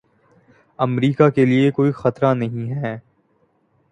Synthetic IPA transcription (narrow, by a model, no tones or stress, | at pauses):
ɐmɾiːkakeliekoːixɐt̪ɾanɐɦĩɦɛː